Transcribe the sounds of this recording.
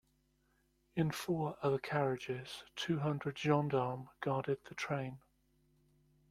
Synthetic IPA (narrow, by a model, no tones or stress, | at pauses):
ɪ̃nfɔːɹʔʌðəkʰaɹɪd͡ʒɪz̥tʰʉːɦʌ̃ndɹədd͡ʒɒ̃ndɑːmɡ̥ɑːdɪd̪̚ðətʰɹ̥ẽɪ̃n